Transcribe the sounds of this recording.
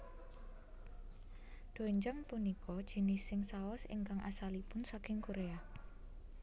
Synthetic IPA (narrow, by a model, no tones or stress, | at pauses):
d̪̥o̤weɲd͡ʒəmpunikʰɔd̥ʒ̥i̤nisɪŋsaɔsɪ̰ŋkaŋʔa̰salipʊnsakɪŋkoɾea